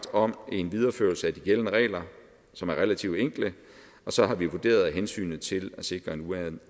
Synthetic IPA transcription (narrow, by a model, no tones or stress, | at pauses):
d̥ɒ̽me̝nʋið̞ˠɐføɐlsəæd̥iɡ̥elənəʁɛ̰ːlɐ | sɒ̽mæɐʁelæt͡sʰiʊ̰d̥eŋ̰ɡ̥lə | ɒ̽sɒ̽ɦɑ̈ʋiʋod̥e̝̰ːɐð̞ˠɦensy̰ːnð̩ˠt͡sʰe̝læse̝ɡ̥ʁɐe̝nuæ